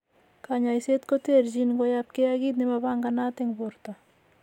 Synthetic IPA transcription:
kaɲaiset̪kot̪eɾd͡ʒinɡojap̚keaɡit̪̚nɪmabaŋɡanat̪ɪŋbʊɾt̪a

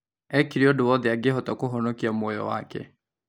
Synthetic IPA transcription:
ɛkiɾeɔdoɔðeaɡeɦɔtakoɦɔnokiamɔjɔ̰wa̰kɛ̰

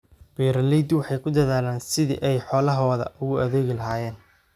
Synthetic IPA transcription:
b̥ɛːɾɐlɛjd̪wɑħɑjkʰʊd̪ɐðaːlaːnsɪðḭʔɛjħɔːlɐɦɔːðɐ̰ʔʊɣʊʔɐðeːɣɪlɐɦaːjɛːn

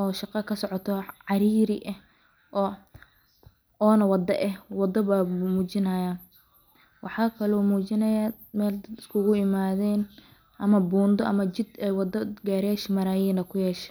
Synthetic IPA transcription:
ɔːʃɑqɑkʰɐsɔʕɔt̪ʰɔʕɑɾiːɾɪʔɐh | ʔɔː | ɔːnɐwɑd̪ɐʔɛhwɑd̪ɐβaːmuːt͡ʃɪnɐjaːn | wɑħɑːkʰɐlɔːmuːt͡ʃɪnɐja | mɛːld̪ɐd̪ɪskʰʊɣʊɪmaːðɛːn | ʔɐmɐbuːnd̪ɔʔɐmɐt͡ʃɪd̪ɛwɑd̪ɐɡaːɾɛːʃmɐɾaːjiːnɐkʰʊjɛːʃɛ̥

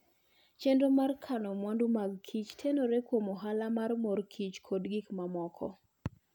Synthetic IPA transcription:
t͡ʃendomarkʰanɔmwandumaɡkʰit͡ʃtʰenoɾekwomoɦalamarmorkʰit͡ʃkʰodɡikmamɔkʰɔ̰

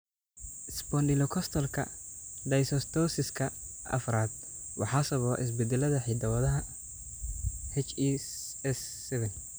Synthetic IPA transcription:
sbɔndɪlɔkʰɔst̪ʰɔlkʰɐ̰d̪ɐjsɔst̪ʰɔsɪskʰɐ | ɐ̰fɾaːd̪̚ | wɑ̰ħɑːsɐβɔːʔɪ̰s̬bɪd̪ɛlɐðɐħɪd̪ɐwɐðɐɦɐ | hɛt͡ʃɛɛsːɛβɛn

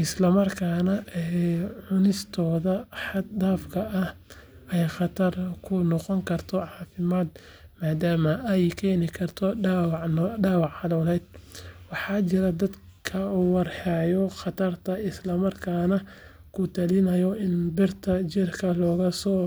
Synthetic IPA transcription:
ʔɪslɐmɐrkʰaːnɐɛʕʊnɪst̪ʰɔːðɐħɑd̪aːfkʰɐɐh | ɛjχɑt̪ʰɐrkʰʊnɔqɔŋkʰɐrt̪ʰɔʕɑːfɪmaːd̪ | maːd̪aːmɐʔɛjkʰɛːnɪkʰɐrt̪ʰɔwɖɑːwɑʕħɑðɔːlɛjd̪̚wɑħɑːt͡ʃɪɾɐd̪ɐd̪ | kʰɐuːwɑrħɛːjɔxɑt̪ʰɐrt̪ʰɐɪslɐmɐrkʰaːnɐ | kʰʊt̪ʰɐlɪnɐjɔɪnbɪrt̪ʰɐt͡ʃɪrkʰɐlɔːɣɐsɔː

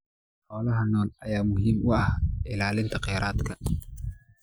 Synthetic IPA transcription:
hɔːlɐɦɐnːɔːnɐjaːmʊɦiːmʊɐhʔɪlaːlɪnt̪ʰɐqɛɾaːt̪kʰɐ

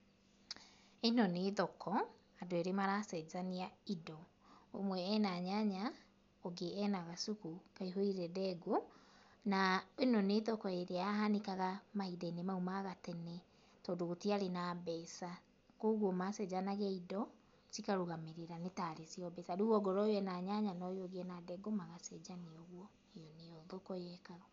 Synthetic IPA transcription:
enɔneðɔkʰɔ | adoeɾemaɾasɛzaniaidɔ | omwɛːnaɲaɲa | ɔɡeɛnaɣasukukaiɦoiɾɛdɛɡo | naenɔneːðɔkɔeɾeaɦanekaɣamahidainemaumaɣatɛnɛ | tɔdoɣotiaɾenabɛsa | koɣwɔmasɛd͡ʒanaɣɛidɔ | sikaɾoɣameɾeɾanetaɾesiɔbɛsaɾoɣwɔɡɔɾɔjɛnaɲaɲanɔjoɣeɛnadɛɡomaɣasɛd͡ʒaneɔɣwɔ | ejɔneɔðokɔjɛkaɣɔ

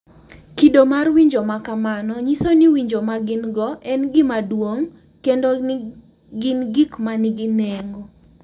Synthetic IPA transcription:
kidomarwiɲd͡ʒomakamanɔɲisonɪwiɲd͡ʒomaɡɪnɡɔʔɛnɡɪmadwoŋ | kendo | ɡɪnɡikmanɪɡɪnɛŋɡo

